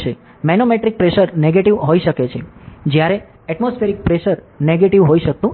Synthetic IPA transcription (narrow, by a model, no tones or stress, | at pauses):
ʃe | mɛnomeʈɾik̚pɾeʃəɾneɡeʈiʋɦoiʃəket͡ʃʰed͡ʒjaɾe | ɛʈmosfʰeɾik̚pɾeʃəɾ | neɡeʈiʋɦoiʃək̚t̪ũ